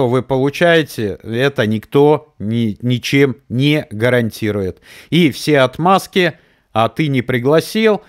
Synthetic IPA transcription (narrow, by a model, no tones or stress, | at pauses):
ovɨpəlˠʊt͡ɕæjɪtʲɪɛt̪ənʲɪkt̪o̞nʲɪnʲɪt͡ɕemnʲeɡəɾɐnʲtʲiɾʊjɪt̪ifsʲeɐt̪maskʲɪ | at̪ɨnʲɪpɾʲɪɡlˠɐsʲilˠ